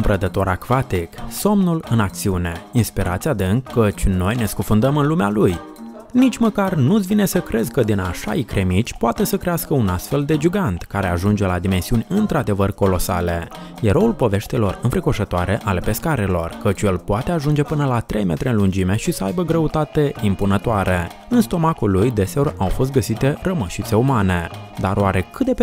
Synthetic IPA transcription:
umpɾəd̪ət̪o̞ɾakvat̪ikso̞mnulɨnak̚t̪siune̞inspiɾʔa̰t̪sʲiad̪ɨŋkːət͡ʃʲno̞jne̞skufund̪əmɨnlumealuj | nit͡ʃʲməkarnut̪svine̞səkɾe̞zʲkəd̪inaʃa̰ikɾe̞mit͡ʃʲpoat̪e̞səkɾe̞askəunast̪fe̞ld̪e̞d͡ʒuɡant̪kaɾe̞aʒund͡ʒe̞lad̪ime̞nsiunʲɨnt̪ɾad̪e̞vərko̞lo̞sa̰le̞ | jeɾo̞ulpo̞ve̞ʃt̪elo̞rɨnfɾiko̞ʃət̪oaɾeʔale̞pe̞skaɾelo̞̰rkət͡ʃʲjelpoat̪e̞aʒund͡ʒe̞pɨnəlat̪ɾe̞jme̞t̪ɾʲeɨnlund͡ʒime̞ʃisəa̰jbəɡɾeut̪at̪e̞impunət̪oaɾe | ɨnst̪o̞makulujd̪e̞se̞o̞rawfo̞s̬t̪̚ɡəsit̪e̞rəməʃit̪se̞umane̞d̪a̰ɾoaɾe̞kɨt̪̚d̪e

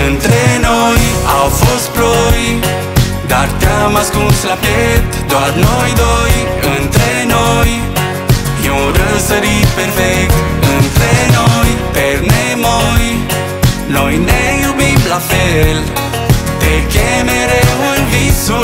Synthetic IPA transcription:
ənt̪ɾenojawfosploj | d̪aɾk̪amaskũslapet̪d̪waɾnojd̪oj | ənt̪ɾe | noj | oɾəsəɾipeɾfɛt̪ | ənt̪ɾenojpeɾne | moj | nojnejubimblafel | t̪eɾkemeɾewelvisu

